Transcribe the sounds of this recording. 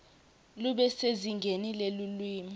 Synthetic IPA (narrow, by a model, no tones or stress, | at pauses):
luɓɛseziŋɡʱenilelulwiːmi